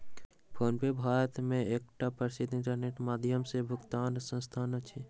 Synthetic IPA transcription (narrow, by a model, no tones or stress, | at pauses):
pʰoːnpebʱaːɾət̪mẽeːk̚ʈapəɾɪsɪt̪ɪ̃ɳʈəɾneːʈmaːd̪ʱjəmsebʱʊkt̪aːnsə̃nst̪ʰaːnət͡ʃʰe